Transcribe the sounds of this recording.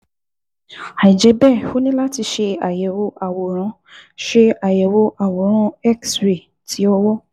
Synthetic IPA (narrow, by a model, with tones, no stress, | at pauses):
a˨i˨d͡ʒɛ˧˦bɛ˦˨fo˨˦nĩ˦la˦ti˧ʃe˧a˨jɛ˨wo˧a˨wo˨ɾ̃ã˨˦ | ʃe˧a˨jɛ˨wo˧ʔa˨wo˨ɾ̃ã˦ɛ˦ksɾi˨ | tʰi˨˦o˦wo˦